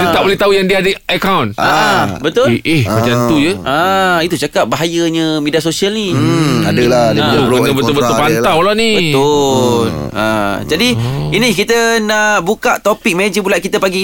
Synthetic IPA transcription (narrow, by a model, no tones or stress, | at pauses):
t̪ət̪aʔbolɛt̪aujaŋdiaadəəkawnabət̪ʊlehad͡ʒant̪ud͡ʒəait̪ut͡ʃakap̚baɦajəɲə̃mediasosialniadəladəbəonəbət̪ʊlbət̪ʊbant̪awlanibət̪ʊla̰d͡ʒadiinikit̪ənaʔʔbukaʔt̪opik̚med͡ʒəbulaʔ̪̚kit̪əpaɡi